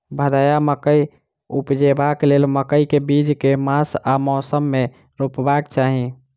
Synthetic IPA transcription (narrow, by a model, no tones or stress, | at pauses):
bʱəd̪ajaməkəj | upd͡ʒebaklelməkəjkebid͡ʒkemasamɔsəmːe | ɾupbaekt͡ʃaɦi